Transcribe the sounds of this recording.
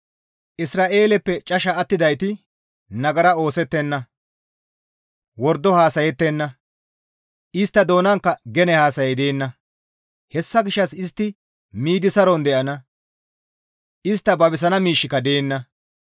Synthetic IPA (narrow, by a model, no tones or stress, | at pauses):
ʔɪsɾaːʔe̞ːlɛpːɛt͡ʃʼɐʃɐːt̪ːɪd̪ɐjt̪ɪ | nɐɡɐɾɐo̞ːsɛt̪ːɛnːɐ | wɔɾd̪ːɔhaːsɐjɛt̪ːenːɐ | ʔɪst̪ːɐd̪o̞ːnɐŋkːɐɡɛnɛhaːsɐjɛjd̪e̞ːnːɐ | hɛsːɐɡɪʃːɐsɪst̪ːɪ | miːd̪ɪsɐɾɔnd̪ɛʔɐnɐ | ʔɪst̪ːɐbɐbɪs̬ɐnɐmiːʃːɪkɐd̪e̞ːnːɐ